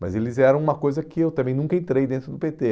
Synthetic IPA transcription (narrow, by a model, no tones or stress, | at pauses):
mɐ̰zelɪzɛɾɐ̃w̃ũmɐkojzɐkɪewt̪ɐ̃mbẽj̃nũŋkɐẽnt̪ɾejd̪ẽnt̪ɾʊd̪ʊpet̪e